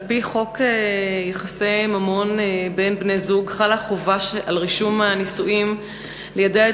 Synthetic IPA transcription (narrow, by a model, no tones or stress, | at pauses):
lpiχo̞kejeχasemamo̞nebe̞nbne̞zuɡχalaχovaʃalʁiʃumanisuʔim | lejadea